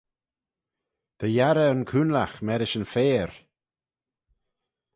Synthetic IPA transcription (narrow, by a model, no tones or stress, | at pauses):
d̪̥əjaɾəənkʰunlaxmɛɾɪʃənfeːɾ